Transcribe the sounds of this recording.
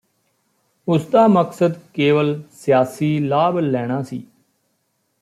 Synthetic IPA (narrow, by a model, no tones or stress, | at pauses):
ʊsd̪aːməksəd̪keːʋəlsɪjaːsiːlaːblːɛːɽ̃ãːsḭː